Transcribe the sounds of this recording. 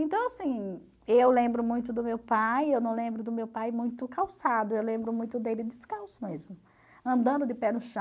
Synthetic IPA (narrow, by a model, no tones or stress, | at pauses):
ẽnt̪ɐ̃w̃asĩ | ewlẽmbɾʊmũj̃t̪ʊd̪ʊmewpajewnɐ̃w̃lẽmbɾʊd̪ʊmewpajmũj̃t̪ʊkawsad̪ʊewlẽmbɾʊmũj̃t̪ʊd̪elɪd̪ɪskawsʊmezmʊ | ɐ̃nd̪ɐ̃nd̪ʊd̪ɪpɛnʊʃã